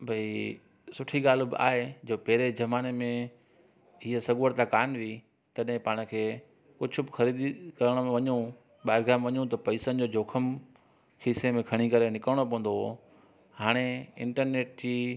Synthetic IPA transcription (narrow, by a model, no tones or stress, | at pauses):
bʱɐi | sʊʈʰiɠaːl̤ubɪ̰a̰ːɦed͡ʑoːpɐɦɾed͡ʑɐmaːnemẽ | ɦiɦəsɐɠuːəɽt̪akaːnʋi | t̪ɐɗɦɪ̃paːɽ̃ə̆kʰeː | kʊd͡ʑʱʊ̆bɪxɐɾiːd̪ikɐɾəɽ̃m̃ʋɐɲũ | ɓaːɾɡaːmʋɐɲũt̪ɐpɐisənɪ̆d͡ʑoːd͡ʑʱoːkʰəm | xʰiːsemẽkʰɐɽ̃ikɐɾenɪkɾəɽ̃op̬ɐ̃ə̃n̆d̪o | haːɽ̃eɪ̰̃ɳʈəɾneːʈ̚d͡ʑiː